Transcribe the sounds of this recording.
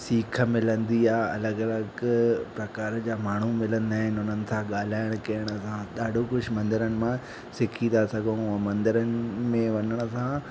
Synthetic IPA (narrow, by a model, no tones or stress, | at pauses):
siːkʰə̆mɪlə̃nd̪iaːɐ̰ləɡɐləɡpɾɐkaːɾd͡ʑaːmaːɳ̤umɪlə̃nd̪aːɦɪnɪʊnənɪ̆t̪ʰãɠaːl̤aːɪɽ̃kɐjəɽ̃ə̆sãɗaːɖʱokʊd͡ʑʰʱmɐ̃nd̪ɪɾənɪ̆mã | sɪkʰĩasɐɡ̃ʱmɐ̃nd̪ɪɾənɪ̆mẽʋɐɲəɽ̃ə̆sã